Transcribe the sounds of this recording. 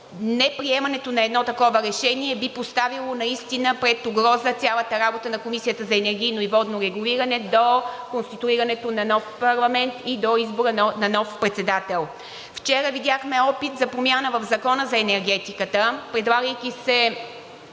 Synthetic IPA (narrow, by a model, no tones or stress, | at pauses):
nɛpɾiɛmɐnɛt̪onɐɛd̪nɔt̪ɐkɔvəɾɛʃɛniɛbipost̪avilˠonɐist̪inəpɾɛt̪ʊɡɾɔzət̪sʲalˠət̪əɾabot̪ənɐkomisijət̪əzɐɛnɛɾɡʲiːnoivɔd̪noɾɛɡuliɾɐnɛd̪okonst̪it̪uiɾɐnɛt̪onɐnɔfpɐɾlˠɐmɛnt̪id̪oizboɾənɐnɔfpɾɛt̪sɛd̪at̪ɛlˠ | ft͡ʃɛɾəvid̪ʲjaxmɛɔpit̪zɐpɾomjanəvɐvzɐkɔnəzɐɛnɛɾɡɛt̪ikət̪əpɾɛd̪lˠaɡəjk̟ʲisɛ